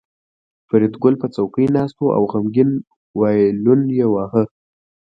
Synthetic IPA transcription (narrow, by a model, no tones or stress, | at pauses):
fɪɾɪt̪ɡʊlpət͡sawkəjnɑst̪oʔa̰wɣamɡɪn | wɑjlʊnjewɑhə